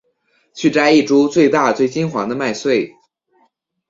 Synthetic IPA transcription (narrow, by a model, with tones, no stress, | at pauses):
t͡ɕʰy˥˩ʈ͡ʂa˥ɪi˥˩ʈ͡ʂu˥t͡swe˥˧ɪt̪a˥˧t͡swe˥˩ɪt͡ɕi˥nxwa˧˥ŋd̪ə˧ma˥˧ɪswe˥˩ɪ